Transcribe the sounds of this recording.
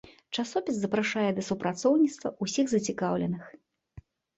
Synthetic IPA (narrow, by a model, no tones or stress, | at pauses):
t͡ʂasɔpʲiszɐpɾaʂajɛd̪ɐsupɾat̪sɔwnʲit̪st̪vɐ̰ʔusʲiɣzɐt͡sʲikawlʲɛnɨx